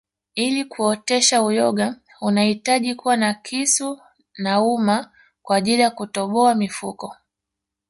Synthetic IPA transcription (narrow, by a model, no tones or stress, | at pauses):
ilikuɔtɛʃaujɔɠa | unahitaʄikuwanakʰisu | nauma | kwaːʄiliakutɔɓɔamifukɔ